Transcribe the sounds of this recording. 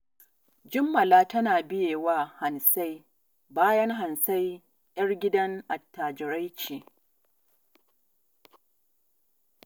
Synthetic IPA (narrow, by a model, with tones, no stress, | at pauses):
d͡ʒɪ˦mːɐ˨laː˦tɐ˦naː˨bɪ˦jeː˨waː˦ha˨nsa˦j | baː˦jɐ˦ŋɦa˨nsa˦j | ʔɐ˦rɡʲɪ˦dɐ˦ŋʔa˨tːaː˨d͡ʒɪ˨ɾa˦jt͡ʃiː˨